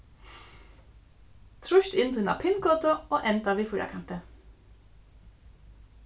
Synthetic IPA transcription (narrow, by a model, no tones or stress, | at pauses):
t̪ʰɾʉʃt̪ɪnt̪ʰʉnɑ̰pʰɪnkoːt̪ʊoːʔɛnt̪ɑːʋiːfʊɾɑ̰kʰɑnt̪ə